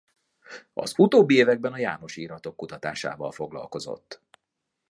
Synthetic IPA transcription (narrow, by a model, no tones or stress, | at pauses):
ɒ̰zut̪oːbːieːvɛɡ̚bɛnɒjaːmo̞ʃiːɾɒt̪o̞kːut̪ɒt̪a̰ːʃa̰ːvɒlfo̞ɡlɒ̰lko̞zo̞̰t̪ː